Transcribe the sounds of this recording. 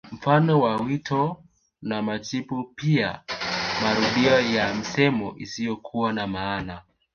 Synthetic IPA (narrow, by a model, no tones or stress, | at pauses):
m̩fanɔwawitʰɔ | namat͡ʃipupia̰maɾuɗiɔjam̩sɛmɔ̰ʔisijɔkʰuwanamaːna